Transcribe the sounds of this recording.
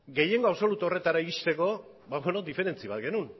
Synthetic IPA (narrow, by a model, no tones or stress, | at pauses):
ɡe̞je̞ŋɡo̞aβso̞lut̪uo̞re̞t̪aɾaiɣist̪e̞ko̞ | βaweno̞d̪ife̞ɾe̞nt͡siβat̪ɡe̞nun